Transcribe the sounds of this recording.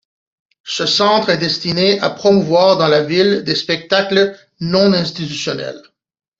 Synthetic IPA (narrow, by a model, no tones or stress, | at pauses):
səsɑ̃t̪χɛd̪ɛst̪inea̰pχɔmuvwaːʁd̪ɑ̃lavild̪espɛk̚t̪aklə | nɔ̃nɛ̃st̪it̪ysjɔnɛ̰l